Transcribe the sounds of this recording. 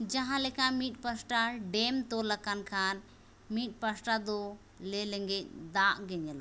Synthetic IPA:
d͡ʒãɦãlɛkamit̪̚ˀpasʈaɖɛmt̪ɔlakankʰan | mit̪̚ˀpasʈad̪ɔ | lɛlɛŋɡɛc̚ˀd̪aʔɡɛɲɛlɔ

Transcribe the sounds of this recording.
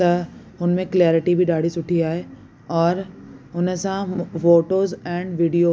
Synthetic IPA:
t̪ɐɦʊnəmẽklɛːɾɪʈibʱɪɗaːɽ̤isʊʈʰiaːɦe | ɔːɾɦʊnəsãfoːʈoːzɛ̃ːɳɖʋiːɖijoː

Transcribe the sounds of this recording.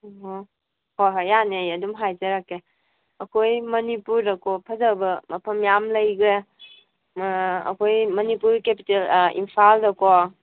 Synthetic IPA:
ɔɦɔ | hɔɦajanejɐdumɦajzɐɾakːe | ɐkʰojmɐnipuɾdɐkʰɔpʰɐzabɐmɐpʰɐmjamlɐjɡe | ɐ̰kʰojmɐnipuɾkepi̥telḭmpʰaldɐkɔ

